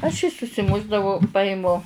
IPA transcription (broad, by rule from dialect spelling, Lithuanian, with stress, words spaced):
ɐʃ jiː sʊsʲɪˈmʊʒdɐʋɐʊ ˈpɑːjɪmʊ